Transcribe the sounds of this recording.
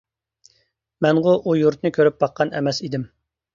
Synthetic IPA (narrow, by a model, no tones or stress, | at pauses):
mɛnʁʊʔujuɾt̪nɨkʲʰøɾyp̚bɑqʰːɑnɛ̰mɛsid̪ɪm